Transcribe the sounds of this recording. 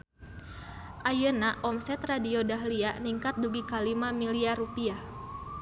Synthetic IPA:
ʔajənaʔɔmsɛt̪radiodaɦlianiŋkat̪̚duɡikalimamiliaɾupia

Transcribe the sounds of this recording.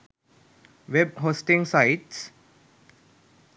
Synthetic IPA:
ʋebɦoːsʈɪ̃ŋsaɪʈs

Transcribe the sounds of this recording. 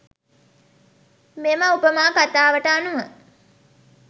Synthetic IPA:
memaupəmaːkat̪aːʋəʈəanuʋə

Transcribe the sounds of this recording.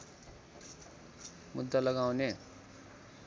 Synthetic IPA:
mud̪ːalʌɡawne

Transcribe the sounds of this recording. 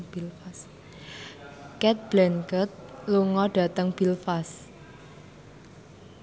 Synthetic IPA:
b̥ilfas | kɛt̪̚b̥lɛnkət̪̚luŋɔɖ̥a̤t̪əŋb̥ilfas

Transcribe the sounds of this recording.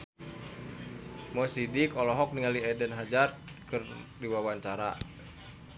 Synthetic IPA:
mɔsidikɔlɔɦɔk̚niŋaliɛdɛnɦad͡ʒart̪̚kɨrdiwawaɲt͡ʃaɾa̰

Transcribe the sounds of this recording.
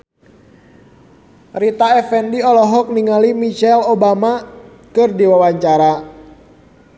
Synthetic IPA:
rit̪aɛfɛndiɔlɔɦɔk̚niŋalimit͡ʃɛlobama | kɨrdiwawaɲt͡ʃaɾa

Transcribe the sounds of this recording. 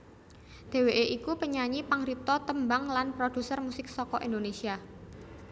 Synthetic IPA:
d̪̥e̤weʔeʔikupəɲaɲipaŋɾip̚t̪ɔt̪əmbaŋlanpɾod̥ṳsərmusɪk̚sɔkɔʔḭnd̪onesia

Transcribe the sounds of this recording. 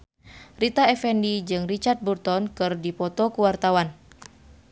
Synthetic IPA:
rit̪aɛfɛndid͡ʒɨŋrit͡ʃart̪̚burt̪ɔnkɨrdipɔt̪ɔkuwart̪awan

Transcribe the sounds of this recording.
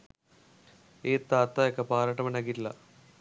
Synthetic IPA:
eːt̪ːaːt̪ːajokːepaːɾaʈːɐmɐnekːitːilːɐ̰

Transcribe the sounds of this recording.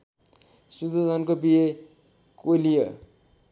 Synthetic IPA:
sud̪od̪ʱʌnkobije | kolijʌ

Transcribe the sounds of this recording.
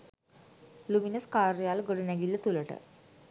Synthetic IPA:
luminəskaɾijalɡəɽnjaɡilːət̪uləʈə̰

